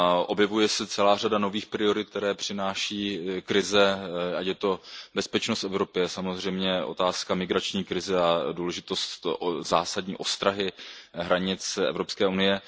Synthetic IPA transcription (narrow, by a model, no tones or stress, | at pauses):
ʔo̞bjɛvujɛsɛt͡sɛlaːr̝adano̞viːxpɾɪo̞ɾɪt̪̚k̚t̪ɛɾɛːpr̝̥ɪnaːʃiːkɾɪzɛacjɛt̪o̞bɛspɛt͡ʃnost̪ɛvɾo̞pɪjɛsamo̞zr̝ɛjmɲɛʔo̞̰t̪aːskamɪɡɾat͡ʃɲiːkɾɪzɛaduːlɛʒɪt̪o̞st̪zaːsadɲḭːʔo̞st̪ɾaɦɪɦɾaɲɪt͡sʔɛ̰vɾopskɛːunɪjɛ